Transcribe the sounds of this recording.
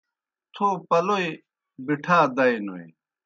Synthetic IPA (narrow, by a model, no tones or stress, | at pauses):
t̪ʰopɐloi | biʈʰaːd̪ɐjno̰ḭ